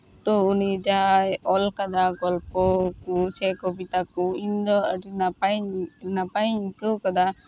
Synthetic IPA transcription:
t̪ɔunid͡ʒaɦajɔlkad̪aɡɔlpɔkɔsɛkɔbit̪akɔind̪ɔəɾi | napajɲikəwkad̪a

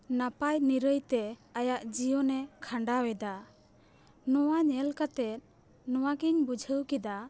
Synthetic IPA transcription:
napajniɾəjt̪ɛajaʔd͡ʒijɔnɛkʰaɳɖawɛd̪a | nɔwaɲɛlkat̪ɛt̪̚ | nɔwaɡiɲbud͡ʒʱəwkid̪a

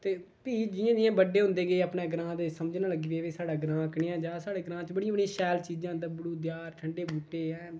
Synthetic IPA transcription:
t̪eː | piːd͡ʒɪjãːd̪ɪjãːbəɖeːɦʊ̃nd̪eːɡeeːəpneːɡɾãːd̪eːsəməd͡ʒnaːləɡiːʋeːʋeːsaːɖaːɡɾãːkɳɪːãːd͡ʒaːsaːɽeːɡɾãːt͡ʃbəɽijãːbəɽiãːʃɛːlt͡ʃiːd͡ʒãːd̪abʊɽuːd̪jaːɾʈʰəɳɖeːbuːʈːeːɛ̃ː

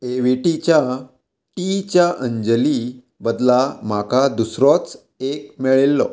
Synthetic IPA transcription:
eʋeʈit͡ɕja | ʈit͡ɕjaʔəɲd͡ʑəli | bəd̪lamakad̪usɾɔt͡s | ek̚meɭelːɔ

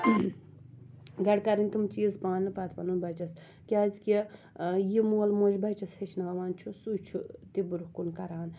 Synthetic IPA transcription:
ɡɐɽkɐɾinʲt̪umt͡ʃiːzpãːnnɨpɐt̪ʰpɐnunbɐt͡ʃɐs | kʲaːzʲkʲi | jimuːlmoːd͡ʒbɐt͡ʃɐshet͡ʃʰnaːɐʋaːnt͡ʃʰusut͡ʃʰut̪ibuɾuhkunkɐɾaːn

